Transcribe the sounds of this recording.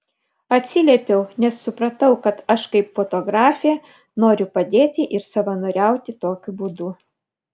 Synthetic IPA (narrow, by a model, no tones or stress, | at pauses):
ɐt̪ʲsʲɪlʲɛːpʲɛʊnʲɛsːʊpɾɐt̪ɐʊkɐt̪ɐʃkɐɪpfot̪oːɡɾɑːfʲɪjɛ | noːɾʲʊpɐd̪ʲeːt̪ʲɪʔɪɾsɐʋɐnoɾʲɛˑʊt̪ʲɪt̪oːkʲʊbuːd̪u